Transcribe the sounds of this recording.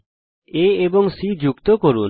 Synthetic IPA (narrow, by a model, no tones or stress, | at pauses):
eebɔŋsid͡ʒukt̪ɔkoɾun